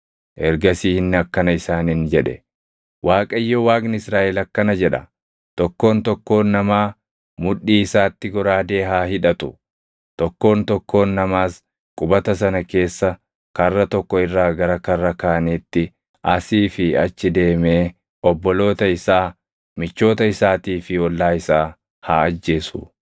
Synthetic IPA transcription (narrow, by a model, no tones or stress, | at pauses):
ʔɛɾɡɐsiːhɪnːɛɐkːɐnɐɪsaːnɪnd͡ʒɛᶑɛ̰ | waːkʼɐɪjːɔwaːkʼnɪɪsɾaːʔɛlɐkːɐnɐd͡ʒɛᶑɐ | t̪ɔkːo̞ːnt̪ɔkːo̞ːnːɐmaː | mʊᶑːiːɪsaːt̪ːɪɡɔɾaːd̪e̞ːɦaːhɪᶑɐt̪ʊ | t̪ɔkːo̞ːnt̪ɔkːo̞ːnːɐmaːs | kʼʊbɐt̪ɐs̬ɐnɐke̞ːsːɐ | kɐrːɐt̪ɔkːɔɪrːaːɡɐɾɐkɐrːɐkaːnit̪ːɪ | ɐsiːfɪɐt͡ʃːɪd̪e̞ːmeː | ɔbːɔlo̞ːt̪ɐɪsaː | mɪt͡ʃːo̞ːt̪ɐɪsaːt̪iːfɪɔlːaːɪsaː | haːɐd͡ʒːe̞ːsʊ̰